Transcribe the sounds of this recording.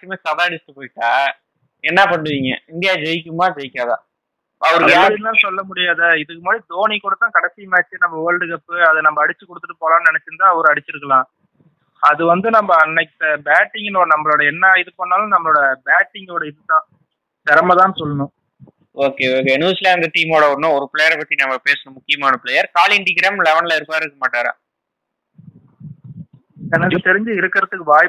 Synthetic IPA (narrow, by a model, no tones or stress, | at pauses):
kːɐmeːsɐðaːɽɪsʈɯpoːjɪʈːaː | ɛnːɐpɐɳːɯʋiːŋɡɐ̰ɪnd̪ɪjaːd͡ʒɛjɪk̬ːɯmaːd͡ʒɛjɪkʲːaːðã̰ː | ɐʋɐɾɯjaːɾit̪ãːsɔlːɐmʊɽɪjaːðɐɪðɯkːɯmaːd̪ɾid̪oːnikuːɽɐt̪ːãːkɐɽsɪjɐmaːt͡ʃːɯnɐmbɐʋɐɭɖɯkɐpːɯɐðɐnɐmːbɐːɽɪt͡ʃːɯkːɔɽɯt̪ːɯʈːɯpoːlaːnnɛnɛt͡ʃːɯnd̪ãːɐʋɐɾɯɐɽɪt͡ʃːɯɾɯkːɐlãː | ɐðɯʋɐnd̪ɯnɐmbɐnːɐkʈːɐbaːʈːɪŋɡɪnoːɽɐnɐmːɐɭoːɽɐɛnːɐɪðɯpoːnːaːlɐ̃nɐmːɐɭoːɽɐbaːʈːɪŋɡoːɽɐɪðɯt̪ːãː | t̪ɛɾɐmɐt̪ãːnsɔlːɐnʊ̃ | oːkeːoːkeːnɯʋɐslaːnd̪ɐʈiːmoːɽɐɔɾnʊ̃ɔɾɯplɛjɐɾpɐt̪ːinɐmːɐpeːsɐnʊ̃mʊkːɪjɐmaːnɐpɭɛjɐɾkaːlɪɳɖiɡɪɾaːmlɛʋɐnlɐɪɾɯpːaːɾɪɾɯkːɐmaːʈːaːɾã̰ː | ɛnɐkːɯt̪ɛɾɪɲd͡ʒɯɪɾɯkːɪɾɐt̪ːɯkːɯʋaːj